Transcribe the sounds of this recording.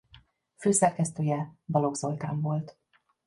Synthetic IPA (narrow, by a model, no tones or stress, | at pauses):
føːsɛrkɛst̪øːjɛbɒlo̞ɡz̥o̞lt̪a̰ːɱvo̞lt̪